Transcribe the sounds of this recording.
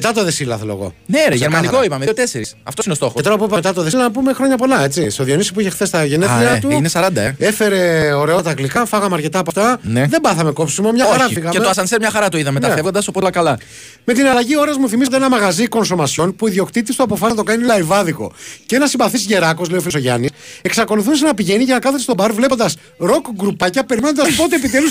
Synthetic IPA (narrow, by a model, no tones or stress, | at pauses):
met̪ɐt̪oðe̞silɐ̰θeloeɣo̞̰neɾeʝeɾmɐnikoipɐmeiot̪eseɾisɐ̰ft̪osinost̪o̞xoet̪oɾɐp̬uipɐmet̪ɐt̪o̞ðeslɐnɐp̬umexɾo̞ɲɐpo̞lɐe̞t͡sist̪o̞ðjo̞nisi̥puiçe̞xθe̞st̪ɐʝenet̪ɾiɐt̪uinesɐɾɐnd̪ɐee̞fe̞ɾe̞o̞ɾeot̪ɐklikɐfɐɣɐmeɐɾce̞t̪ɐːpɐft̪ɐneðembɐθɐme̞ko̞psimomɲɐɐɾɐfiɣɐmeeoɐsɐnsemɲɐxɐɾɐt̪oiðɐmet̪ɐfevɣond̪ɐsopolɐkɐlɐ | me̞t̪inɐlɐʝio̞ɾɐzmuθimist̪eenɐmɐɣɐziko̞nso̞mɐsçonpuiðio̞kt̪it̪ist̪oɐpo̞fɐsɐt̪o̞kɐnilɐivɐðiko̞̰ceenɐsimbɐθisʝe̞ɾɐkosleofisoʝɐ̰nise̞ksɐko̞luθuns̬enɐpiʝe̞niʝenɐkɐθest̪o̞bɐɾvle̞po̞nd̪ɐs | ɾo̞kɡɾupɐcɐpe̞ɾimenod̪ɐspot̪eepit̪e̞lus